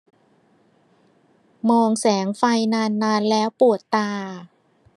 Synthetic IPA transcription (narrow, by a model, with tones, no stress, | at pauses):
mɔː˧ŋsɛː˩˦ŋfa˧jnaː˧nːaː˧nlɛː˦˥wpu˨˩ət̪ːaː˧